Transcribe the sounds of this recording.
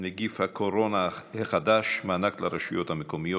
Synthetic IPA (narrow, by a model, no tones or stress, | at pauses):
neɡifhakʰoɾonaheχad̪aʃmaanaklaɾeʃujot̪hamekomijo